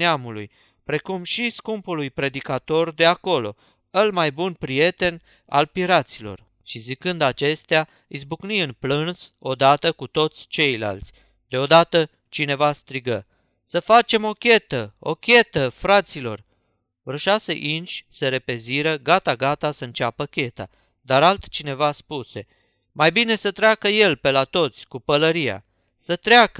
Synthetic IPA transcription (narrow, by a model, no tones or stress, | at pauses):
neamulṵj | pɾe̞kumʃiskumpulujpɾe̞d̪ikat̪o̞rd̪e̞ako̞lo̞̰ | əlmajbunpɾije̞t̪e̞n | a̰lpiɾat̪silo̞̰r | ʃizikɨnd̪at͡ʃe̞st̪ea | isbukniɨnplɨnso̞d̪at̪əkut̪o̞t̪sʲt͡ʃe̞jla̰lt̪sʲ | d̪e̞o̞d̪at̪ə | t͡ʃine̞vast̪ɾiɡə | səfat͡ʃe̞mo̞kʲe̞t̪əo̞̰kʲe̞t̪əfɾat̪silo̞̰r | vɾʃaseʔinʃʲsəɾe̞pe̞ziɾəɡat̪aɡat̪asəɨnt͡ʃapəkʲe̞t̪a̰ | d̪aɾalt̪t͡ʃine̞vaspuse̞ | majbine̞sət̪ɾeakəje̞lpe̞lat̪o̞t̪sʲkupələɾija̰ | sət̪ɾeakə